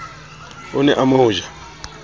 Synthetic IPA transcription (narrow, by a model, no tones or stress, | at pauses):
ʊnɛʔamaʊʒa